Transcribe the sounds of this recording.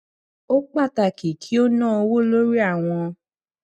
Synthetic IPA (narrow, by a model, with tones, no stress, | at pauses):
o˦k͡pa˦˨ta˧˨ki˨kʰi˦o˦nãː˦˨o˧wo˦lo˦ɾi˦a˦˨w̃ɔ̃˧